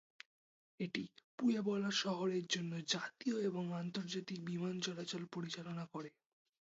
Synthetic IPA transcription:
eʈipujebɔlaʃɔɦoɾeɾd͡ʑonːod͡ʑat̪ioeboŋant̪oɾd͡ʑat̪ik̚bimant͡ɕɔlat͡ɕolpoɾit͡ɕalonakoɾe

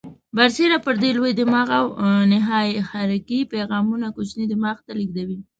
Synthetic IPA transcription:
baɾseɾapəɾd̪elwed̪əmɑɣawnɪɦɑjxaɾɪkipeɣɑmunakot͡ʃnid̪əmɑxt̪aliɡ̚d̪awi

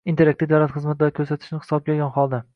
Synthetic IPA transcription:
int̪ʰeɾak̚t̪ɪd̪awlat̪χɨzmat̪̚d̪ɒɾɪkʰʲɵɾsat̪ʰɪ̥ʃnɪhɪ̥sɒb̚ɡʲɒɡʲanχɒlˠd̪a

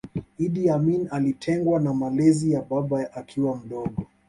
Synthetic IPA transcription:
iɗiaminalitʰɛŋɡwanamalɛzijaɓaɓaʔakʰiwam̩ɗɔɠɔ

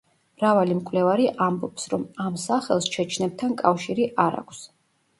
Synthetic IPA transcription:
mɾavalimkʼlɛvaɾiʔambɔpsɾɔmamsaχɛ̰lˠst͡ʃʰɛt͡ʃʰnɛb̚t̪ʰankʼafʃiɾiʔaɾa̰kʰʷs

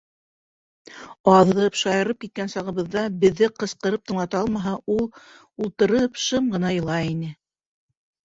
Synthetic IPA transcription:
ɑðɤpʃɑjɤ̆ɾɤp̚kit̪̚kænsɑʁɤ̆βɤ̆ðːɑbɘ̆ðːɘqɤ̆sqɤ̆ɾɤp̚t̪ɤ̆ɴlˠɑt̪ɑɑlˠmɑɦɑulˠ | ulˠt̪ɤ̆ɾɤpʃɤmɢɤ̆nɑjɤ̆lˠɑinɘ

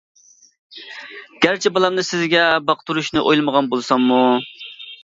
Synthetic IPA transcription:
ɡ̥ʲæɾt͡ʃʰɛbɑlˠɑmnɨsɪzɡʲɛbɑqt̪ʰuɾuʃnɨʔojlˠɨməʁɑnbolˠsɑŋːu

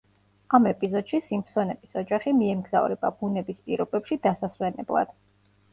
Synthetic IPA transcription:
amɛpʼizɔd̪̥ʃisimpʰsɔnɛbʼisɔd͡ʒaχimiɛmɡza̰vɾɛ̰bab̥unɛbispʼiɾɔbɛpʃid̪asaswɛnɛ̰blˠa̰d̪̥

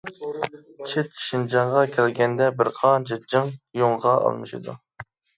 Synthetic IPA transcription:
t͡ʃʰɪt̪ʃind͡ʒɑɴʁɑkʲʰælɡʲɛnd̪ɛbɪɾqʰɑnd͡ʒɪd͡ʒɨŋjoŋʁɑɑ̰lˠmɨʃɨ̰d̪ṵ

